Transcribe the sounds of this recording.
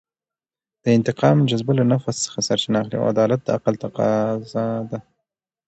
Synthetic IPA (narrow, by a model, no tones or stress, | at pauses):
d̪̥əɪnt̪ɪqɑmd͡ʒazbalanafasːə̥xasaɾt͡ʃɪnaːxlḭa̰a̰d̪ɑlat̪̚d̪əaqalt̪aqɑzad̪a